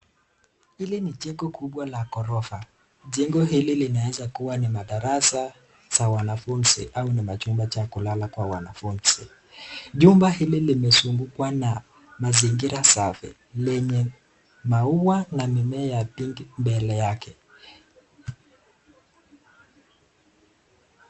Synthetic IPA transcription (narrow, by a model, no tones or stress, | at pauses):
hiliniʄɛŋɡɔkuɓwalakɔɾɔfa | ʄɛŋɡɔɦililinawɛzakuwanimaɗaɾasa | z̥awanafunzḭʔaunimat͡ʃumbat͡ʃakulalakwawa̰na̰funz̥ḭ | ʄumbahililimɛsuŋɡukwana | maziŋɡiɾasafḭ | lɛɲɛ | mauwanamimɛːjapiŋɡimbɛlɛjakɛ